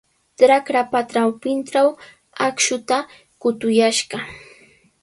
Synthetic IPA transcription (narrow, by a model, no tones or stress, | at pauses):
ʈ͡ʂɾakɾapat̪ɾawpɪnʈ͡ʂaw | akʃʊt̪a | kʊt̪ʊjaʃɢɑ